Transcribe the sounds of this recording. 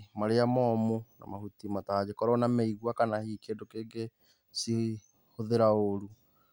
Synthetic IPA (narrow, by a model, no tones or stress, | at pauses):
maɾeamɔmuna̰mahutimatad͡ʑekɔɾɔnameiɣwakanahikedokeːɡe | si | hoðeɾaoɾu